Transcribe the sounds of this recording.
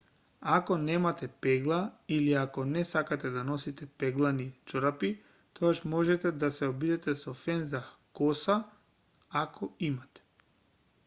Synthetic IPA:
akɔnɛmat̪ɛpɛɡlˠailiakɔnɛsakat̪ɛd̪anɔsit̪ɛpɛɡlˠanit͡ʃoɾapi | t̪ʰɔɡaʃmɔʒɛt̪ɛd̪asɛobid̪ɛt̪ɛsɔfɛnzakɔsa | akʰɔimat̪ɛ̥

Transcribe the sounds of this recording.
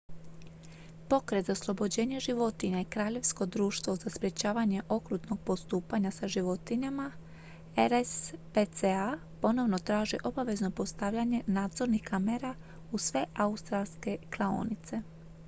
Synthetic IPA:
po̞kɾet̪zaslˠo̞bo̞d͡ʑe̞ːɲeʒiʋo̞t̪iɲaikɾaːʎe̞ʋsko̞d̪ɾuːʃt̪ʋozaspɾje̞t͡ɕaːʋaɲe̞ʔo̞kɾuːt̪no̞ɡ̚po̞st̪uːpaɲasaʒiʋo̞t̪iɲama | eɾespet̪sea | po̞no̞ʋno̞t̪ɾaːʒiʔo̞baʋe̞zno̞po̞st̪aʋʎaɲe̞naːd̪zo̞ɾnixkameɾa | usʋe̞ʔaust̪ɾalske̞klˠao̰nit̪se̞

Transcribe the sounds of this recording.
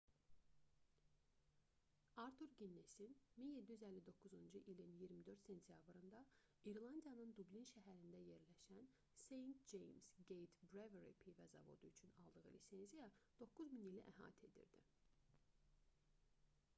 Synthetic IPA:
ɑɾt̪ʰuɾɡinːesinminjed̪ːijyzælːid̪o̞kʰːuzund͡ʒuʔilinjiɾmid̪ø̞ɾt̪se̞nt̪ʰjɑbɾɯnd̪ɑ | iɾlˠɑnd̪ijɑnɯnd̪ublinʃæɦæɾind̪æje̞ɾlæʃæn | se̞jnt̪̚d͡ʒejmz̥ɡejt̪bɾeveɾḭpʰivæzɑ̰vo̞̰d̪uyt͡ʃʰynɑ̰lˠd̪ɯʁɯ̰lisenzijɑd̪̥o̞kʰːuzminiliʔæɦɑ̰ːt̪ʰe̞d̪ḭɾd̪ḭ

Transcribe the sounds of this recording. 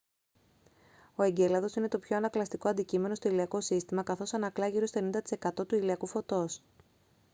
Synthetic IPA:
o̞e̞ɲɟe̞lɐðo̞sine̞t̪o̞pço̞ɐnɐklɐst̪iko̞ɐnd̪icime̞no̞st̪o̞iliɐko̞sist̪imɐkɐθo̞sɐnɐklɐʝiɾo̞st̪e̞nind̪ɐt̪i̥sekɐt̪o̞t̪uiliɐkufo̞t̪o̞s

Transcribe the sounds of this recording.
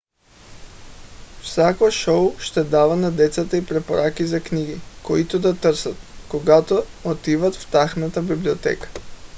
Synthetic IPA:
fsakoʃowʃt̪ɛd̪avanad̪ɛt̪sat̪aipɾɛpoɾʔakizakniɡikoit̪od̪at̪ɾsat̪̚koɡat̪oot̪ivat̪ft̪axnat̪abibliot̪ɛ̰kḁ

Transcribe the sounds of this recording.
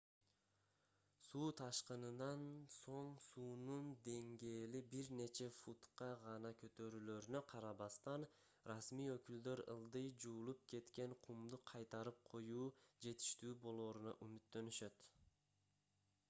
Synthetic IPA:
suːt̪ʰɑʃqɯnɯnɑnso̞ɴsuːnund̪e̞ŋɡe̞ːlibiɾne̞t͡ʃe̞fut̪qɑʁɑnɑkø̞t̪ø̞ɾyːlø̞ɾynøqʰɑɾɑβɑst̪ɑn | rɑsmijøkyld̪ø̞ɾɯ̰lˠd̪ɯjd͡ʒuːlˠup̚kʰe̞t̪ke̞ŋqʰumd̪uqʰɑjt̪ɑɾɯp̚qʰo̞juːd͡ʒe̞t̪i̥ʃt̪yːbo̞lˠo̞ːɾunɑ̰ʔymyt̪ːø̞nyʃø̞t̪

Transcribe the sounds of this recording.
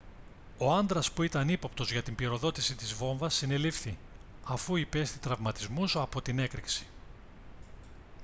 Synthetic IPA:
o̞ɐnd̪ɾɐspuit̪ɐnipo̞pt̪o̞zʝɐt̪imbiɾo̞ðo̞t̪isit̪izvo̞ɱvɐsːine̞lifθi | ɐfuipe̞st̪it̪ɾɐvmɐt̪izmusɐpo̞t̪ine̞kɾiksi̥

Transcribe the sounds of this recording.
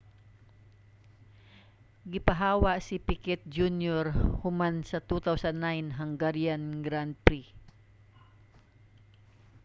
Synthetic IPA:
ɡɪpɐɦaːwaʔsɪpikɛt̪̚d͡ʒunjɔɾhʊmansɐt̪ut̪awsanːajnɦaŋɡaɾjanɡɾand̪̚pɾi

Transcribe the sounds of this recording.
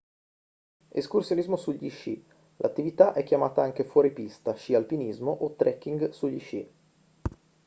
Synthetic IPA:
ḛskursjonizmosuʎːit͡ʃḭ | lʔat̪ːivit̪aʔɛkːjamaːt̪aaŋk̟efwɔːɾipist̪aʃialpinizmoʔot̪ːɾɛkːiŋɡsuʎːit͡ʃi

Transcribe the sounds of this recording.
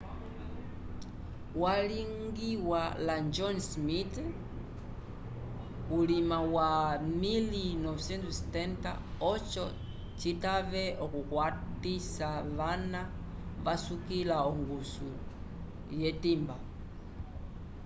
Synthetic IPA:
waliŋɡiwaland͡ʒɔnsmit | ulimawamilinɔvsɛntstɛnta̰ɔt͡ʃɔ | t͡ʃitavɛɔkukwatisaβana | βasukilaɔŋɡusu | jɛtimba

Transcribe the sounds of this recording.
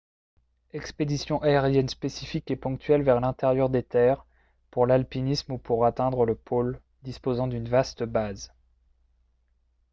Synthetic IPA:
ɛksped̪isjɔ̃ʔaeʁjɛnspesifikepɔ̃k̚t̪ɥɛlvɛʁlɛ̃t̪eʁjœʁd̪et̪ɛʁ | puʁlalpinismupʰuʁat̪ɛ̃d̪ʁələpʰol | d̪ispozɑ̃d̪ynvast̪əbaz

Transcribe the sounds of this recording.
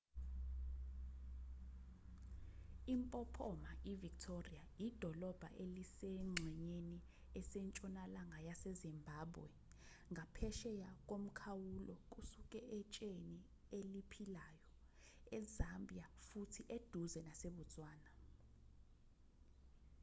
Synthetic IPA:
impʼɔpʰɔmaivik̚tʰoriajid̥ʱɔlɔb̥ʱa̰ʔelisɛŋ͡ǀʱɛɲeni | ɛsɛnt͡ʃʼɔnalaŋʱajasɛzimbʱaːbwɛ̰ | ŋʱapʰɛʃɛjak̬ʼom̩kʰawulɔkʼusukʼɛʔɛt͡ʃʼeni | elipʰilaːjɔ | ɛzambʱijafutʰiʔed̥ʱuzɛnaseɓut͡sʼwaːna

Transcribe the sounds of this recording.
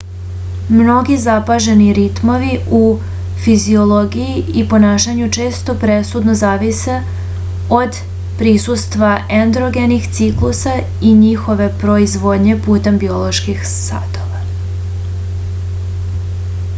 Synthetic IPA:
mno̞ɡizapaʒe̞niɾit̪mo̞ʋiu | fizio̞lˠo̞ɡijiipo̞naːʃaɲut͡ʂe̞ːst̪o̞pɾe̞sud̪nozaːʋise | o̞d̪ | pɾisust̪ʋaʔend̪ɾoɡenixt̪siklˠusa | iɲixo̞ʋe̞pɾo̞izʋo̞d̪ɲe̞puːt̪e̞mbio̞lo̞ʃkix | sa̰ːt̪o̞ʋa

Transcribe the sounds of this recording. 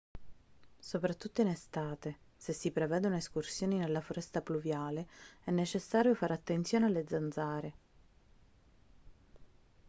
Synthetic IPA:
sopɾat̪ːut̪ːoinest̪aːt̪e | sesːipɾevɛːd̪ouneskursjoːninelːafoɾɛst̪apluvjaːleɛnːet͡ʃesːaːɾjofaːɾeat̪ːent̪sjoːnealːed̪zːanzaːɾe

